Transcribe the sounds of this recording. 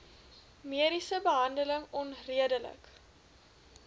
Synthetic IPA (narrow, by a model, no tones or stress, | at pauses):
miəɾisəbəɦɐndələŋɔnriədələ̰k